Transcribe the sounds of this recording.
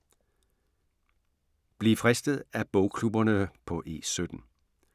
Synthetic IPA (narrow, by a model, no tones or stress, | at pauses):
b̥liːfʁɛsd̥əð̩ˠæb̥ɔʊkʰlubɐnəpʰɒ̽ʔe̝̰ːsød̥n̩